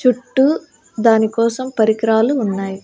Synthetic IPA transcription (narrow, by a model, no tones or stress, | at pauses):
t͡ʃuʈːu | d̪aːnikɔːsɐmpɐɾikɾaːluːnːaːji